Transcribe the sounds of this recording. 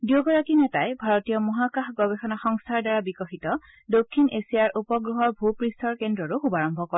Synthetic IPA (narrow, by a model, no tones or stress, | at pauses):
djoɡɔɹakinɛtajbʱaɹɔtijɔmɔɦakaxɡɔbexɔnaxɔŋstʰaɹdaɹabikɔxitɔ | dokʰːinesijaɹupɔɡɹuɦɔɹbʱupɹistɔɹkendɹɔɹuxubaɹɔmbʱɔkɔ